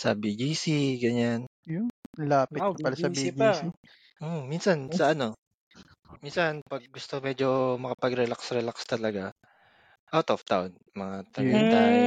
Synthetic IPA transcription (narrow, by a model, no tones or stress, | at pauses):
sɐ̰bid͡ʒiːsiɡɐɲanjlaːpɪpɐlasɐbid͡ʒisi | ʔominsɐnsɐʔɐno̞ | minsɐnpɐɡ̚ːʊst̪omɛd͡ʒomɐkɐpɐɡɾɛlaksɾɛlakst̪ɐlɐɡa | ʔawt̪oft̪a̰on | mɐŋat̪ɐit̪a